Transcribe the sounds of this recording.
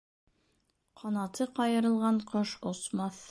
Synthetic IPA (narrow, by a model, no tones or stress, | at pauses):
qʰɑnɑt̪ɤqɑjɤ̆ɾɤ̆lˠʁɑɴqɤʃŏsmɑθ